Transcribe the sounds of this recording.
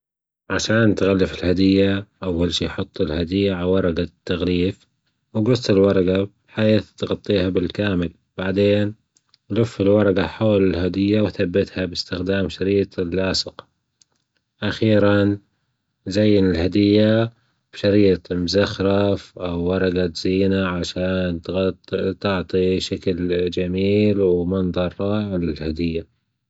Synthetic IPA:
ʕaʃaːnt̪ɣalːɪfɪlhad̪ɪjːaʔawːalʃiːħʊt̪ˤːɪlhad̪ɪjːaʕawɑɾˤɑɡat̪ːaɣliːf | wɡʊsˤt̪ˤɪlwɑɾˤɑɡabħajiːθt̪ɣɑt̪ˤːiːhabɪlkaːmɪl | b̥aʕd̪eːn | lʊfːɪlwɑɾˤɑɡaħoːlɪlhad̪ɪjːawθabːɪt̪habɪst̪ɪxd̪aːmʃaɾiːt̪ˤɪlːʔaːsɪq | ʔaxiːɾan | zajːɪnɪlhad̪ɪjːa | b̥ʃaɾiːt̪ˤmʊzaxɾˤɑfʔawːɑɾˤɑɡaz̥iːnaʕaʃaːnt̪t̪ɪʕt̪ˤiʃakld͡ʒamiːlwmɑnðˤɑɾˤːɑːɪʕlɪlhad̪ɪjːa

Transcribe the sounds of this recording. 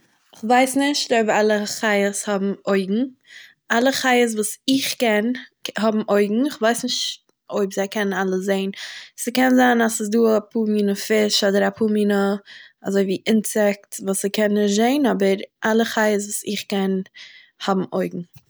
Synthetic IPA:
ɪχvaɪsnɪʃtoɪbɾalˠəχaɪəshɔbm̩oɪɡŋ̩ | alˠəχaɪəs̬vuːsɪχkɛnɦɔbm̩ʔoɪɡŋ̩ɪχvaɪsnɪʃt | oɪbzaɪkɛnnalˠəszeɪnsəkɛnzaːnasɪsduːapʰuːmiːnəfɪʃɔdəɾapʰuːmiːnəa̰zoɪviːʔɪnsɛk̚tvuːsəkɛnːɪzeɪnɔbəɾʔalˠəχaɪəs̬vuːsɪχkɛn | hɔbm̩ʔoɪɡŋ̩

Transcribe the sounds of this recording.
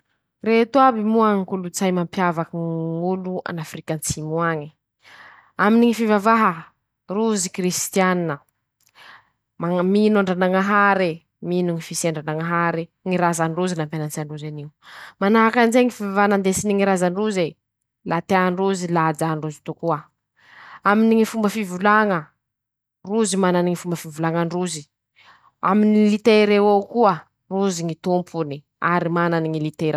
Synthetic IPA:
reɦt̪uabimuaŋikulut͡sajmampjavakiŋulua̰nafrikant͡simuaŋi | aminiŋifivavaɦə | ruzikrist̪ianinə | maminaɳɖ͡ʐanaŋaɦaɾe | minuŋifisiaɳɖ͡ʐanaŋaɦaɾiŋiɾazanɖ͡ʐuzinampeanant͡siaɳɖ͡ʐuzaniwmanaakanzeŋifiavanand̪esiniŋiɾazaɳɖ͡ʐuze | lat̪eaɳɖ͡ʐuzilad͡ʒaɳɖ͡ʐuzi̥t̪ukua | aminiŋifumbəfivulaŋə | ruzimananiŋifumbəfivulaŋaɳɖ͡ʐuzi | aminilit̪eɾewokuə | ruziŋit̪umpʰuni | aɾimananiŋilit̪eɾa

